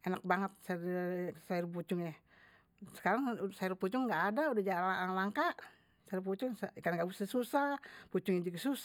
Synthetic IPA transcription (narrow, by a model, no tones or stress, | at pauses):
enak̚baŋət̪̚s | saiɾp̬ut͡ʃʊŋjah | sə̥kaɾaŋsaiɾuput͡ʃʊŋːɡaːdaudahd͡ʒalaŋlaŋkaʔ | saiɾup̬ut͡ʃʊŋsakanɡabusasusaput͡ʃʊŋad͡ʒikəsus